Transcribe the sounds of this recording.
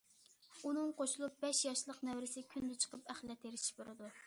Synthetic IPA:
unɨŋqʰoʃulˠup̚bɛʃjɑʃlˠəqnɛwɾɪsɪkʲʰynd̪ɪt͡ʃʰə̥qəpæχlɛt̪ʰːeɾɪʃi̥buɾɨd̪u

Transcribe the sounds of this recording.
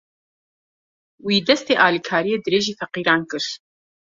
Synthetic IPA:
wiːd̪ɐst̪eːʔaːlikʰaːɾijɛd̪ɾeːʒiːfɐqiːɾaːnkʼɨɬ

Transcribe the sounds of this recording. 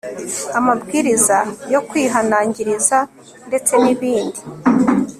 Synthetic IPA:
amabɡiːɾizajo̞kwiːɦanaːɲɟiɾiza | nde̞t͡se̞niβiːndi

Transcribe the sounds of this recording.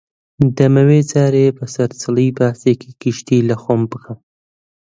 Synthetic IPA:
d̪əmawet͡sɑɾepəsaɾsələjbɑːsekʰekiʃt̪ilaxompəxam

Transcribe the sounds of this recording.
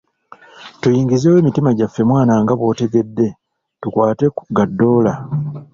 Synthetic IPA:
tujiːŋɡizeːwe̞ːmitimaɟafːe̞mwaːnaŋɡaβwo̞ːte̞ɡe̞dːe̞ | tukwaːte̞ɡadːo̞ːla

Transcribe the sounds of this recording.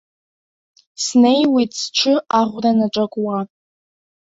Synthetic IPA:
snejwitt͡sʈ͡ʂʷʰɨaʁʷranaʈ͡ʂʼakʷʼwa

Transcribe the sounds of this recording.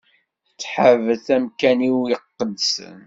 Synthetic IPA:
t͡sːħəvəθæmkæniwəqːəd̪sə̰n

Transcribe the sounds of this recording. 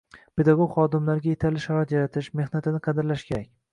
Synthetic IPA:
pʰe̞d̪aɡoɡχɒd̪ɪmlaɾɡʲajet̪ʰalɪʃaɾat̪jaɾat̪ʰɪʃme̞hnat̪ʰɪnɪqʰɑd̪ɪɾlaʃkʲʰe̞ɾakʲ

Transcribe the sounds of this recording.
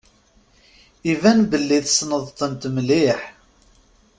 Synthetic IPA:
ivænbəlːiðsnəðˤt̪ənt̪mlɪħ

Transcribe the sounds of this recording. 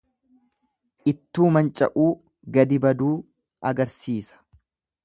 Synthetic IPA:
ʔɪt̪ːuːmɐnt͡ʃʼɐ̰ʔuː | ɡɐd̪ɪbɐd̪uː | ɐɡɐɾsiːsɐ̥

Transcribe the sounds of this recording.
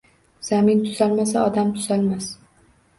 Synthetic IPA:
z̥amɪnt̪ʰʊzalmasaɒd̪amt̪ʰʊzalmas

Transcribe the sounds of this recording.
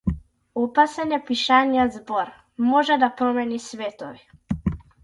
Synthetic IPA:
ɔpasɛnapiʃanijazbɔɾ | mɔʒɛd̪apɾɔmɛnisvɛt̪ɔvi

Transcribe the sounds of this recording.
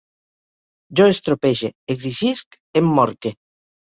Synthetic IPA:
d͡ʒoest̪ɾopeʒeekðiʒisk | emːɔɾke

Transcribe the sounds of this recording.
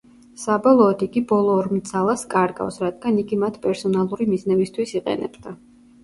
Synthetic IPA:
sabɔlˠɔːd̪iɡibɔlˠɔːɾmt̪sʰalˠaskʼaɾɡa̰fsɾad̪̥̚ɡaniɡimat̪ʰpʼɛɾsɔnalˠuɾimiznɛbist̪ʰwisiqʼɛ̰nɛ̰bd̪a

